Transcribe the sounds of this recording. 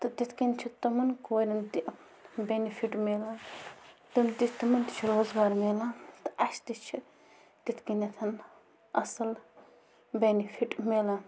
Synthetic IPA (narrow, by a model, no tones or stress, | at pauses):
t̪ɨt̪it̪ʰkint͡ʃʰit̪ɐmɐnkoːɾʲɐnd̪i | benifʰiʈmeːla | t̪ɐnd̪ist̪ɐmɐnt̪i̥t͡ʃʰiɾoːzɡaːɾmelat̪ɨ̥ʔɐʃt̪it͡ʃʰi | t̪it̪ʰkinɐt̪ʰɐn | ɐsɐl | benifʰiʈmela